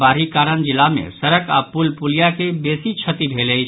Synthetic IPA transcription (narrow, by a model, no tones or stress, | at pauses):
baɾikaɾənd͡ʒilːamḛsəɾəka̰pulpulijakebesit͡ʃʰət̪ibʱeləjt͡ʃʰ